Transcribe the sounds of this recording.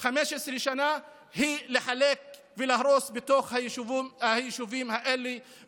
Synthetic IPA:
xameʃʔesɾiʃana | hilɪħaleːk̚ | vɪlahɾosbɪt̪oxha | hajɪʃuviːmhaʔelːi

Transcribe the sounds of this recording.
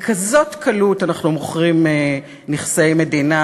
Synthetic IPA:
kʰazo̞tkʰalutanaχnumoχʁime | niχsejme̞dina

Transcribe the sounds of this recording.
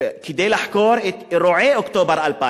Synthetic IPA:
k̪id̪eːlaħkoːɾˤɾoʕeːʔʊkt̪oːbɑɾˤʔalfa̰

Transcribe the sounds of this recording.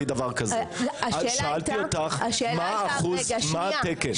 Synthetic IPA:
d̪ɐvaʁkɐzeaʃaalt̪iot̪aχaʃmaːχuzmat̪eke

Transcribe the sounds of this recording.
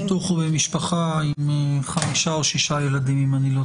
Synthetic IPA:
t̪uχubemiʃpaχaimχamiʃao̞ʃiʃajelad̪imimanilo

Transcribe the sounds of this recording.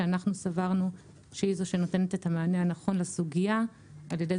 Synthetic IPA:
anaχnusavaʁnu | ʃeizoʃe̞no̞te̞nete̞tamaːneanaχo̞nlasuɡija | aljede

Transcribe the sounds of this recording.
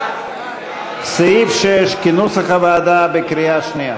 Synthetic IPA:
seifʃejeʃkinusaχavaːd̪abekɾijaʃnija

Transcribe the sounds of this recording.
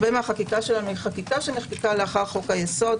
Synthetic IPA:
bemeaχakikaʃe̞lanuhiχakikaʃeneχkekaleaχaʁχo̞kajeso̞d

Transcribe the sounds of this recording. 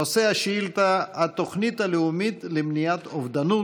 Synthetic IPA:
oseaʃiilt̪aːt̪oxnit̪alɪʊmid̪lɪmnijat̪ofd̪anu

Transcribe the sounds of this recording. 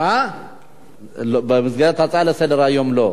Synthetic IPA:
a | lbəmɨzɡat̪ʰat͡sʼaləsəd̪əɾajːomlo

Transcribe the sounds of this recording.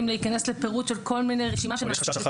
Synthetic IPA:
imleikaneslepeʁutʃelko̞lminejʁeʃimaʃema

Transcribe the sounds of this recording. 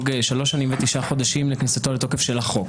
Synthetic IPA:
ɡʃalo̞ʃːanimvet̪iʃaχo̞d̪aʃimleknisat̪olet̪o̞ke̞fʃelaχo̞k

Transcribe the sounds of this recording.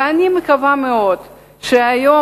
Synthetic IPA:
animekavameo̞d̪̥ | ʃeajo̞

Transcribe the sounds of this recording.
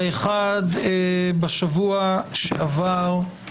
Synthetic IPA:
eχad̪baʃavuaʃḛʔavaʁ

